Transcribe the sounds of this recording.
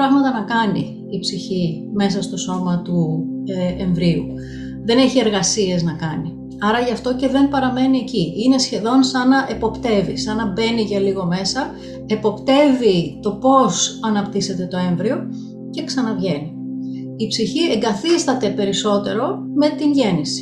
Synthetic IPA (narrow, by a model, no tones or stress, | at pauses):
ɾɐɣmɐt̪ɐnɐkɐniː | psiçime̞s̬ɐst̪o̞so̞mɐt̪u | eɱvɾiu | ðe̞ne̞çie̞ɾɣɐsie̞znɐkɐni | ɐɾɐʝɐft̪o̞ce̞ðe̞mpɐɾɐme̞nie̞ciine̞sçe̞ðo̞nsɐnɐʔe̞po̞pt̪e̞visɐnɐbe̞niʝɐliɣo̞me̞sɐ | e̞po̞pt̪e̞vit̪o̞po̞sɐnɐpt̪ise̞t̪e̞t̪o̞e̞ɱvɾio̞ | ce̞ksɐnɐvʝe̞ni | ipsiçie̞ŋɡɐθist̪ɐt̪e̞pe̞ɾiso̞t̪e̞ɾo̞ | me̞t̪inʝe̞nisi̥